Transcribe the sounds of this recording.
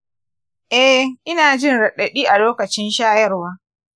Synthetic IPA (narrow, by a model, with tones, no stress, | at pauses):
ʔɛ˦ʔɪ˦naː˨d͡ʒɪ˦nɽɐ˨ɗɐ˨ɗiː˦ʔa˨loː˦kɐ˨t͡ʃɪ˦nʃaː˦jɐ˦rwaː˦